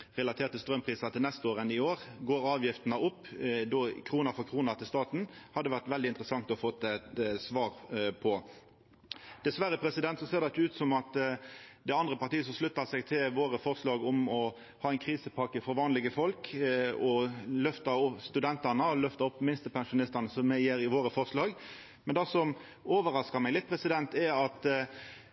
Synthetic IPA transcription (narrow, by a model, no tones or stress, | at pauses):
ʁɛlɑt̪ʰeːʁt̪ʰːəst̪ɾœmpʰʁiːsɑt̪ʰɪlnɛst̪əoːɾənɪoːɾɡoːɾɑːʋjɪft̪ənəʊpːd̪ɔkʰɾuːnəfɔʁkʰɾuːnəʁt̪ʰɪlst̪ɑːt̪n̩hɑd̪ːəʋæʁt̪ʋɛld̪ɪnt̪ɾəsɑŋt̪ɔfɔt̪ːæt̪sʋɑːɾpʰɔ | d̪̥ɛsʋæɾəpʰɾɛsɪd̪ɛnt̪sɔseːʁd̪ɛɪt̪ːʉːt̪sɔmɑt̪ | d̪ɛɑnd̪ʁəpɑɾt̪iːəsɔmʂlʉt̪ːɑsɛɡt̪ʰɪlʋoːɾəfɔʁslɑːɡɔmɔ | hɑːæɪnkʰɾiːsəpʰɑkːəfɔɾʋɑːnlɪɡəfɔlkɔlœft̪ɑɾɔpst̪ʉd̪ɛnt̪ɑnəɔlœft̪əɾɔpːmɪnst̪əpʰɛŋʂʊnɪst̪ɑnəsɔmːæjeːɾɪʋoːɾəfɔʁslɑːɡ | mɛnd̪ɑsɔm | oːʋəɾɑskɑɾmæɪlɪt̪̚pʰɾɛsɪd̪ɛnt̪ɛɑt̪